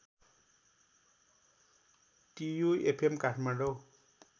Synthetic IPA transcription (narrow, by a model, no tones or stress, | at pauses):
ʈijuepʰemkaʈʰmaɖow